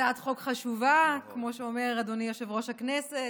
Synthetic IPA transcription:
atχo̞kχaʃuvakmo̞ʃeomeʁadonijoʃevʁoʃhaknese

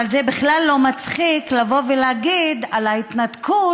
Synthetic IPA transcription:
alzebiχlalːo̞mat͡sχiklavo̞veleaɡid̪alait̪nat̪kʰu

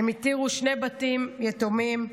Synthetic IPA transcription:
emit̪iʁuʃnebatimjetomim

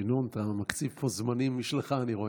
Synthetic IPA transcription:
inont̪amakt͡sivpʰozmanimːiʃleχaːniʁo̞

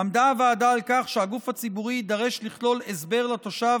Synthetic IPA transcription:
amdaveadaːlkaχʃehaɡufat͡sibuʁid̪aʁe̞ʃliχlo̞lesbe̞ʁlat̪o̞ʃav

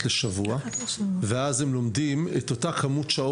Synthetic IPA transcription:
leʃavuaveazemlo̞mdimeto̞takʰamutʃao

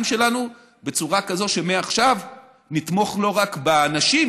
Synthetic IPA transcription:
mʃe̞lanu | be̞t͡suʁakazo̞ʃe̞meaχʃav | nit̪mo̞χlo̞ʁakbeanaʃim

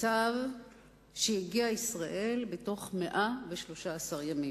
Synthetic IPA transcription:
av | ʃejiɡiaisʁaʔe̞lbeto̞χmeʔaveʃlo̞ʃaːsaʁjamim

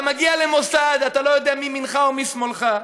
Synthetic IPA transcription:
maɡialemo̞sad̪at̪alo̞jo̞d̪eamiminχaomismolχa

